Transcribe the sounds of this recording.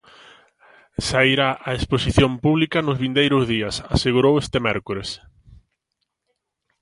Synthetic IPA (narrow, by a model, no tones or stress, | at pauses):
saiɾaʔaesposiθjompuβlikɐnʊzβind̪ejɾʊzðiɐsaseɣuɾowest̪emɛɾkuɾes